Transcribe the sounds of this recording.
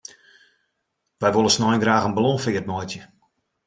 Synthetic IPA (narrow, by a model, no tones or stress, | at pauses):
ʋɛjʋolˠəsnɔjnɡraːxənblɔnfɪət̚mɔjtjə